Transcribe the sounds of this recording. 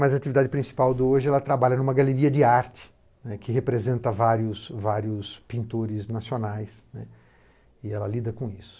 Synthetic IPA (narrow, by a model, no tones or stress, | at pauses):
mɐzɐat͡ʃivid̪ad͡ʒɪpɾĩsi̥pawd̪ɪoʒɪɛlɐt̪ɾabaʎɐnũmɐɡaleɾiɐd͡ʒɪaɾt͡ʃɪ̥ | nɛkɪɦepɾezẽnt̪ɐvaɾjʊsvaɾjʊspĩnt̪oɾɪznasionajsnɛ | ɪɛlɐlid̪ɐkõisʊ̥